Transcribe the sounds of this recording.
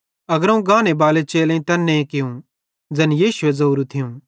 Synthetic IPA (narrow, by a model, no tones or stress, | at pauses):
ɐɡəɾũɡãːnebaːlet͡ʃeːlẽĩt̪ɐnːẽĩkɪjũ | d͡ʒɐnjiːʃʊezɐuːɾut̪ʰɪjũ